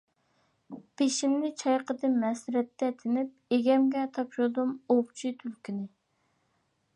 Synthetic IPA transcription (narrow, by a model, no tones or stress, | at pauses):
pʰeʃimnɪt͡ʃʰɑjqʰəd̪ɨnmɛsɪɾɛt̪ʰːɛt̪ʰɪnɪp̚eɡʲɛmɡʲɛt̪ʰɑpʃud̪umopt͡ʃʰit̪ʰylkʲinɪ